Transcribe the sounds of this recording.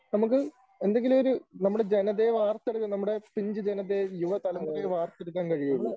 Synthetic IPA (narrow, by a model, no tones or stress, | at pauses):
nɐmuk̬ːɨ | e̞nd̪eŋɡilumoɾunɐmːuɽed͡ʑe̞nɐðeʋaːrt̪ːeɽukːɐnɐmːuɽe̞piɲd͡ʑɨd͡ʑenɐðːejuʋɐt̪ɐlɐmːʋaːrt̪ːeɽuk̬ʲːaːnkɐɻijuɭːɐ